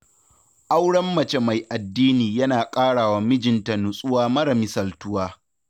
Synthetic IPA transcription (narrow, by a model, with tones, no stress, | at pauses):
ʔa˦wɽɐ˦mːɐ˨t͡ʃe˦ma˨jʔa˨dːiː˦niː˨jɐ˦naː˨kʼaː˦ɽaː˨waː˨˦mɪ˦d͡ʒɪ˨nta˨nʊ˨sʼʊ˦waː˦mɐ˦ɾɐ˨mi˦sɐ˨ltʊ˦waː˦